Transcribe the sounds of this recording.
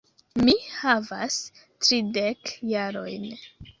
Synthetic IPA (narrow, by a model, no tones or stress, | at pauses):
mihavas | tɾidekjaɾo̞̰jn